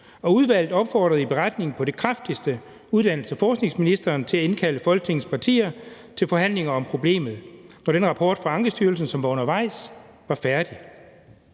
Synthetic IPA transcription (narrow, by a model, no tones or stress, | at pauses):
ɒ̽uð̞ˠʋæl̰d̥ɒ̽b̥fɒːd̥ʁɐðˠib̥e̝ʁad̥ne̝ŋ̩pʰɒ̽ɾ̥e̝kʰʁɑfd̥isd̥ə | uðˠd̥æn̰l̩səæfɒːsɡ̥ne̝ŋsminisd̥ɐːnt͡sʰe̝læe̝nkʰæləfɒ̽lɡ̥ət͡sʰe̝ŋn̩spʰɑ̈t͡sʰḭːɐ | t͡sʰe̝lfɒ̽ɦæn̰le̝ŋɐɒ̽mpʰʁo̝b̥le̝̰ːmð̞̩ˠnɒɾ̥enʁɑ̈pʰɒ̰ːd̥fʁɑ̈ɑ̈ŋɡ̥əsd̥yɐls̬n̩sɒ̽mʋɑ̈o̽nɐʋɑ̈ɪ̰s | ʋɑ̈fæɐd̥i